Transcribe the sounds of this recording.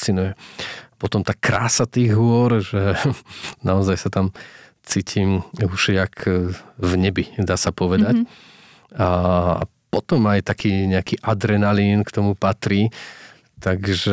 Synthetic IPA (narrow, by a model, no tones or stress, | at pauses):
t͡sinujɛapɔt̪ɔmt̪akɾaːsat̪iːɣɦʊɔɾʒɛ | naɔzajsat̪am | t͡siːcʰimuʃjakʰ | vɲɛbid̪aːsapɔʋɛd̪at | aa̰pɔt̪ɔmajt̪akiːɲɛakiːʔad̪ɾɛnalinkt̪ɔmupat̪ɾiː | t̪aɡʒɛ